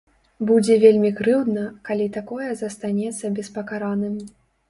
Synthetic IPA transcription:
bud͡zʲɛvʲelʲmʲikɾɨwd̪nɐkalʲit̪akɔjɛzɐst̪anʲɛt̪sːɐbʲɛspɐkaɾanɨmʲ

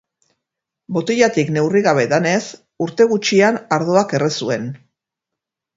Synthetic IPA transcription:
bo̞t̪eʎat̪ikne̞wriɣaβ̞e̞ðane̞s | uɾt̪e̞ɣut͡ʃianaɾðoake̞risue̞n

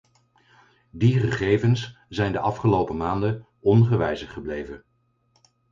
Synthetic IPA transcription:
diχəχejvənsz̥ɛjndəʔɑfχəlowpəmaːndə | ɔnχəʋɛjzəχəblejvən

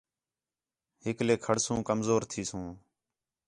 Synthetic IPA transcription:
ɦɪkleːkʰəɽsũːkəmzoːɾt̪ʰiːsũː

